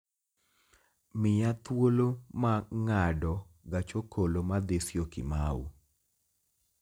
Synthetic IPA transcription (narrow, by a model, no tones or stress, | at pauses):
mɪjat̪wolomaŋadɔɡat͡ʃokolomad̪esjokɪ̰mawṵ